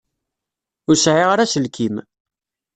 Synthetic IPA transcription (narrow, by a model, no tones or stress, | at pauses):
ʊɾsʕɪʁaɾæsəlkʰim